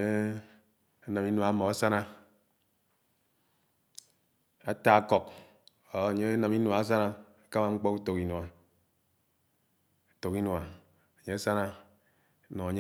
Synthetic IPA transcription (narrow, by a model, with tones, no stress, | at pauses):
a˦na˨mi˦nwa˨˦mɔ˨a˦sa˦na˦ | a˨ta˨a˦kɔ˨kː | ɲe˦a˦na˨mi˦n˨a˨˦s̬a˦na˦ | a˨ka˦ma˨ŋ͡m̩˦k͡pɔ˦ku˦to˨ki˨nwa˨ | a˨to˨ki˦no˨a˨ | a˨ɲe˦a˦sa˦na˦ | nɔ˨a˨ɲ˦